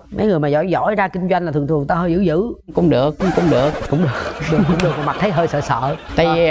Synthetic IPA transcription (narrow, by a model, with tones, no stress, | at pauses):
mə˨˦jŋɨ˨˩əjmaː˨˩zɔ̰˧˨jzɔ̰˧˥˨jzaː˧kï˧ŋ̟zwa˧jŋ̟aː˨˩t̪ɨ˨˩ŋt̪ʰɨ˨˩əŋt̪aː˧ɦəː˧jzɨ̰˧˥zɨ̰˧˥kʊ̰˧˥˦ŋ͡mɗɨ˨˩ək̚ːŋ͡mkʊ̰˧˥ŋ͡mɗɨ˨˩ək̚kʊ̰˧˥ŋ͡mɗɨ˨˩əkɗɨ˨˩kːkʊ˧˥ŋ͡mɗɨ˨˩ək̚aː˨˩ma˨˩t̚t̪ʰə˨˦jɦəː˧jsəː˧˨sə̰ː˧˨t̪a̰ː˧˨